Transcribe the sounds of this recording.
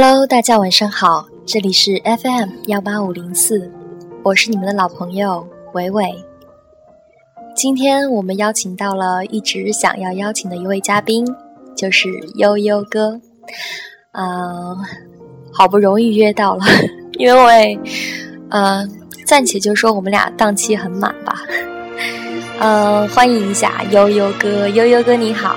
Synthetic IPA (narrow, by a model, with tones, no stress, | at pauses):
a˩lo˥ʊt̪a˥˩t͡ɕja˥wa˨˩nʂɑ˥ŋxɑ˨˩˦ʊ | ʈ͡ʂɤ˥˩li˨˩ʂɻ̩˥˩ʔɛ˥fɛ˥˩mjɑ˥˩ʊpa˥u˨˩li˧˥ŋsʰɹ̩˥˩wɔ˨˩ʂɻ̩˥˩ni˨˩mə˦nd̪ə˧lɑ˨˩ʊpʰɤ˧˥ŋjo˥˧ʊxwe˧˥ɪwe˥˩ɪ | t͡ɕi˥nt̪ʰjɛ˥nwɔ˨˩mə˦njɑ˥ʊt͡ɕʰi˨˩ŋt̪ɑ˥˩ʊlə˩i˥˩ʈ͡ʂɻ̩˧˥ɕjɑ̰˨˩ŋjɑ˥˧ʊjɑ˥ʊt͡ɕʰi˨˩ŋd̪ə˦i˧˥we˥˩ɪt͡ɕja˥pi˥nt͡ɕjo˥˧ʊʂɻ̩˥˩jo˥ʊjo˥ʊkɤ˥ | ə˥˧ | xɑ˨˩ʊpu˥˩ɻʊ˧˥ŋi˥˧ɥɛ˥t̪ɑ˥˩ʊlə˩i˥nwe˥˩ɪ | ə˧ | t͡sa˥˩nt͡ɕʰɛ˨˩t͡ɕjo˥˧ʊʂwɔ˥wɔ˨˩mə˦lja̰˨˩t̪ɑ˥˩ŋt͡ɕʰi˥xə˧˥nma̰˨˩nbɐ̰˦ | ə˥˧xwa˥ni˧˥ŋi˧˥ɕja̰˥˩jo˥ʊjo˥ʊkɤ˥jo˥ʊjo˥ʊkɤ˥ni˧˥xɑ˨˩˦